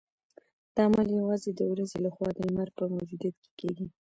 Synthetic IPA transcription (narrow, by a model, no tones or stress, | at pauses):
d̪̥ɑmaljawɑzed̪əwɾazelaxwɑd̪əmaɾ̚pəmawd͡ʒud̪ijat̪ke̥keɡi